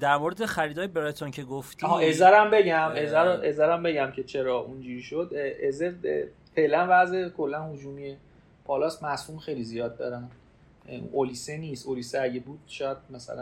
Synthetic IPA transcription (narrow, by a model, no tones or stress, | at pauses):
d̪æɾmoɾed̪exæɾiːd̪ɒːjebeɾɒjet̪ʰuncʰe̞ɡoft̪iɒːezæɾæmbe̞ɟæmezæɾʔezæɾæmbe̞ɟæmcʰet͡ʃʰeɾɒːʔund͡ʒiɾʃod̪eze | felænvæzekʰolːænhod͡ʒuːmie | pʰɒːlɒːsmæshumxejlizijɒːd̪̚bɒɾæn | ṵʔoliseniːst̪oliːseæɟebuːd̪̥ʃɒːjæd̪̥̚mæsæ̰læ